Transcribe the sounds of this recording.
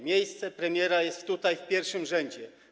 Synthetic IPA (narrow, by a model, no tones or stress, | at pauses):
mʲjejst̪sɛpɾɛmʲjɛɾajɛst̪t̪ːut̪ajfpʲjɛɾfʂɘmʐɛɲd͡ʑɛ